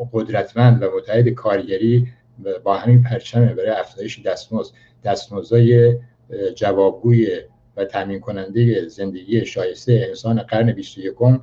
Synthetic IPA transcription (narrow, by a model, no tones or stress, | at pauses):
ɢod̪ɾæt̪ʰmænd̪væmot̪ʰːæhed̪ekʰɒːɾɟæɾiː | bɒːhæmiːnpʰæɾt͡ʃʰæmebæɾɒːjeæfz̥ɒːje̞ʃed̪æst̪moz | d̪̥æst̪mozɒːje | d͡ʒævɒːb̚ɡuːje | væt̪ʰæmiːnkʰo̞nænd̪ejeze̞nd̪e̞ɡiːeʃɒːje̞st̪ejeːnsɒːneɡæɾne̞bist̪oje̞kʰo̞m